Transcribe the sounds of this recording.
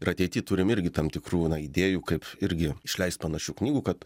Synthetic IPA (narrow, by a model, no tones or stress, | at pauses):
ɪɾɐt̪ʲɛɪt̪ʲiːt̪ʊɾʲɪmɪɾʲɡʲɪt̪ɐmt̪ʲɪkɾuːnɐid̪ʲeːjuːkɐɪpɪɾʲɡʲɪɪʃʲlʲɛɪst̪̚pɐnɐʃʲuːknʲiːɡuːkɐt̪